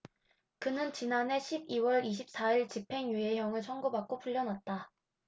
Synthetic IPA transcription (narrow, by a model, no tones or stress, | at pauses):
kɯnɯnt͡ɕinane̞ɕʰibiwʌɾiɕ̬ʰip̚s͈aiɭt͡ɕipʰe̞ŋjue̞ɦjʌŋɯɭsʰʌŋɡubak̚k͈opʰuʎːʌnwat̚t͈a